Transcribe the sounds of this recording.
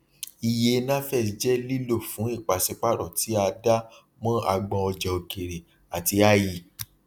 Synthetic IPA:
i˨je˧˦nã˦fɛ˦˨˦d͡ʒɛ˦li˦lo˦˨fũ˨˦i˦˨k͡pa˨sɛ˧k͡pa˦ɾɔ˨ti˨˦a˧da˦ | mɔ̃˦ʔa˧ɡ͡bɔ̃˧ɔ˧d͡ʒɛ˨o˨ke˨ɾe˨ | a˨ti˧˦a˦˨ji˦˨

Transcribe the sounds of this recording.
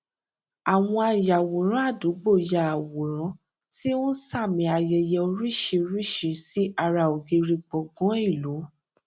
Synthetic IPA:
a˨w̃ɔ̃˧a˧ja˨wo˨ɾ̃ã˨˦a˦˨du˨˦ɡ͡bo˦˨ja˨wo˨ɾ̃ã˨˦ | ti˦ũ˦sa˦˨mĩ˨˧˦a˧jɛ˧jɛ˧o˧ɾi˦ʃi˧ɾi˦ʃi˧si˨˦a˧ɾa˧˨o˨ɡi˧ɾi˧k͡pɔ˨ɡɔ̃˨˦i˦˨lo˨˦

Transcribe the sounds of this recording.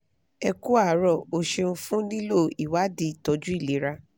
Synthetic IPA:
ɛ˧ku˦a˦˨ɾɔ˨o˧ʃe˧ñ̩˧fũ˦nĩ˦lo˦˨i˨wa˨˦di˧˦˨tɔ˨˧˦d͡ʒu˦i˦˨le˨˦ɾa˧

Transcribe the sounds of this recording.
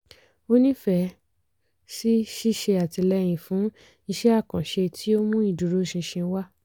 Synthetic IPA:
o˦nĩ˦fɛ˧˨ | si˦ʃi˦ʃe˧a˨ti˧lɛ˦j̃ĩ˨fũ˨˦ | ĩ˧ʃɛ˦a˦˨kã˨ʃe˧tʰi˦o˦mũ˦i˦˨du˨ɾo˨˦ʃĩ˧ʃĩ˧˦wa˦

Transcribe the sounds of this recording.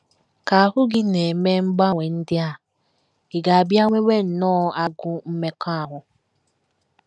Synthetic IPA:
ka˨ɦʊ˦ɡɪ˦ne˨me˦ŋ͡m̩˦ɡ͡ba˦˨ŋʷe˨n̩˦dɪ˦a˦˨ | ɪ˨ɡa˨a˨bja˦ŋʷe˦wʷe˦n̩˨nɔː˦a˦ɡʊ˦m̩˦me˦ka˦a˨ɦʊ˨

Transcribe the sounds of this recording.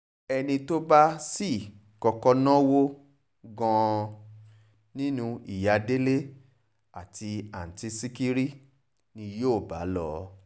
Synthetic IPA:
ɛ˧nĩ˧to˦ba˦si˦˨ | kɔ˧kɔ˧nã˦wo˦ | ɡã˧ | nĩ˦nũ˧i˨ja˧de˦le˦ | a˨tʰi˧a˨n̩˨ti˧si˦ki˦ɾi˦ | nĩ˧jo˦˨ba̰˨˦lɔ˦

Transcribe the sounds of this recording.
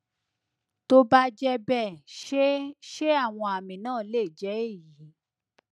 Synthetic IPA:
to˦ba˦d͡ʒɛ˧bɛ˦˨ʃʃe˦a˦˨w̃ɔ̃˧a˨mĩ˨nãː˦˨˦le˦˨d͡ʒɛ˨˦e˦˨ji˨˦

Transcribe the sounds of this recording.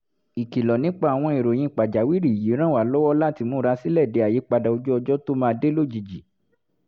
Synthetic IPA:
i˨ki˨lɔ˨nĩ˨˦k͡pa˦˨a˨w̃ɔ̃˧e˨ɾo˨j̃ĩ˧˨k͡pa˨d͡ʒa˨wi˦ɾi˨ji˨˦ɾ̃ã˦wa˨lɔ˦wɔ˦la˦ti˧mũ˦ɾa˧si˦lɛ˦˨de˨˧a˨ji˨˦k͡pa˧da˨o˧d͡ʒu˦ɔ˧d͡ʒɔ˦to˦mãː˦˧de˦lo˦˨d͡ʒi˨d͡ʒi˨

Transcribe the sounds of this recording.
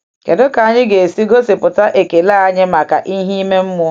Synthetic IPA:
ke˨dʊ˦ka˨a˦ɲɪ˦ɡe˨si˦ɡo˦se˨pʊ˨ta˦ʔe˨ke˨la˦a˦ɲɪ˦ma˨ka̰˨ʔi˦ɦi˦i˦me˦m̩˦mʊ˦

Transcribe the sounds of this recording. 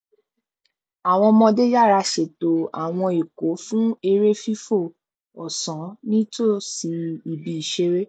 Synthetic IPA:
a˨w̃ɔ̃˧mɔ̃˧de˦ja˦˨ɾa˧ʃe˨to˨a̰˨w̃ɔ̃˧i˨ko˨˦fũ˦e˧ɾe˦fi˦fo˦˨ | ɔ˨sɔ̃˨˦nĩ˦to˦˨si˨˧i˨bi˨i˨ʃe˧˦ɾe˦

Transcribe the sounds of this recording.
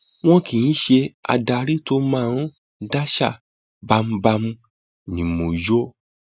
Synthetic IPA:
w̃ɔ̃˦ki˨jĩ˨˦ʃe˧a̰˧da˧ɾi˦to˧˦mã˦˨ɾ̃ɔ̃˦ | da˦ʃa̰˦˨ | ba˧m̩˧ba˧mũ˧ | nĩ˨mõ˨jo˦

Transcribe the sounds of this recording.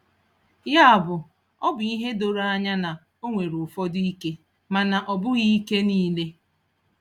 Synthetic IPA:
ja˦a˨bʊ˨ | ɔ˦bʊ˨i˦ɦe˦do˨ɾa˦a˦ɲa˦na˨ | o˦ŋʷe˨ɾʊ˨fɔ˦dʊ˦i˦ke˦ | ma˨na˨ʔɔ˨bʊ˦ɣi˦ke˦niː˦le˦

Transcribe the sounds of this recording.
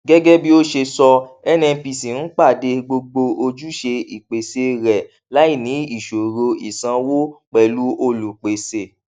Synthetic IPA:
ɡɛ˦ɡɛ˦bi˦o˦ʃe˧sɔ˧ɛ˦nɛ̃˧pi˧si˨n̩˦k͡pa˦˨de˧ɡ͡bo˧ɡ͡bo˧o˧d͡ʒu˦ʃe˧i˨k͡pe˨se˧ɾɛ˨ | la˨˦i˦˨nĩ˨˦i˦˨ʃo˨ɾo˧i˨sã˧wo˦k͡pɛ˨lu˦o˧lu˨k͡pe˨se˧˨

